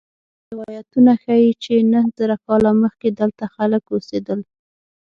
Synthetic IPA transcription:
ɾɪwɑjat̪unaxajit͡ʃenəhzaɾakɑlaməxked̪əlt̪axaləkosed̪əl

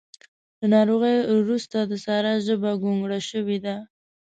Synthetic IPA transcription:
d̪ənɑɾoɣəjwɾust̪ad̪əsɑɾaʒəbaɡoŋɡɽaʃəwed̪a

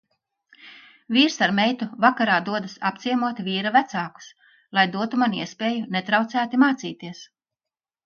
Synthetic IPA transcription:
vʲiːɾsaɾmɛjt̪uvakaɾaːd̪uɔd̪ɐsap̚t̪sʲiɛmuɔt̪vʲiːɾavæt̪saːku̥s | lˠajd̪uɔt̪umaniɛspʲeːjunet̪ɾawt̪sæːt̪imaːt̪siːt̪iɛs

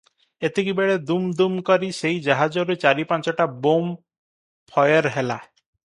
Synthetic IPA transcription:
et̪ekibeɭed̪umd̪umkɔɾiseid͡ʒaɦad͡ʒɔɾut͡ʃaɾipãnt͡ʃɔʈabom | pʰɔjɔɾɦela

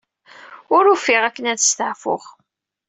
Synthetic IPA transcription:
ʊɾufɪʁækːənæðəst̪əʕfʊ̰ʁ

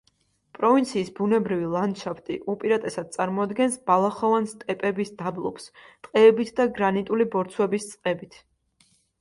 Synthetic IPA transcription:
pʼɾɔvint̪sʰiːsbunɛbɾivilˠand̪ʃapʰt̪ʼḭʔupʼiɾat̪ʼɛsad̪̚sʼaɾmɔad̪ɡɛnsb̥alˠaχɔvanst̪ʼɛpʼɛbisd̪ablˠɔ̰pst̪ʼqʼɛːbit̪ʰd̪aɡɾanit̪ʼulibɔɾt̪sʰwɛbist̪sʼqʼɛbit̪ʰ

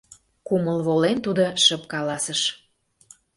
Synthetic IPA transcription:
kuməlβolent̪ud̪oʃə̆p̚kɑlɑsəʃ

